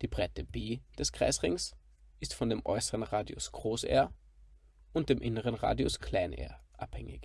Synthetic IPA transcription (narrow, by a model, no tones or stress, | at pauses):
d̥iːbʁaɪtəbeːd̥ɛskʁ̥a̰ɪsʁɪŋs | ʔɪstfɔndeːmʔɔ̰ʏsəʁənʁaːdiʊ̰sɡ̥ʁoːsʔḛːɐ | ʊnt̚d̥eːmʔɪnəʁənʁa̰ːdjʊskʰl̥aɪnʔɛ̰ːɐʔa̰phɛŋɪ̰ç